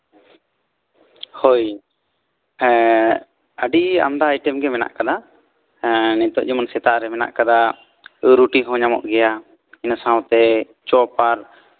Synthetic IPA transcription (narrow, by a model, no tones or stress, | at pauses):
hoj | əɖia̰md̪aːjʈɛmɡɛmɛna̰ʔkad̪a | nɛt̪ɔʔd͡ʒɛmansɛt̪aʔɾɛmɛna̰ʔkad̪a | ɾuʈiɦɔ̃ɲamɔ̰ʔɡɛja | inəsãw̃t̪ɛ | t͡ʃɔpaɾ